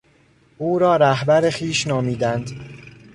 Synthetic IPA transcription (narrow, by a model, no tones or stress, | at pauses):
ʔuːɾɒːɾæhbæɾexiːʃnɒːmiːd̪ænd̪